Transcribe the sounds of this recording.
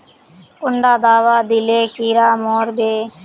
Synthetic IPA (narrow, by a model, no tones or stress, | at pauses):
kʊɳɖaːd̪aːʋaːd̪ileːkiːɾaːmoːɾbeː